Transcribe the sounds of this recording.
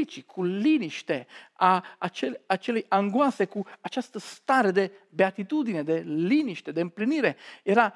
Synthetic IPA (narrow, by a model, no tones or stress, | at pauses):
it͡ʃikʰuliniʃt̪eaːt͡ʃɛat͡ʃːɛliʔaŋɡwaːsekuat͡ʃːɛst̪əst̪aːɾed̪e | beat̪it̪ud̪ined̪eliːniʃt̪ed̪empliniːɾeɛɾa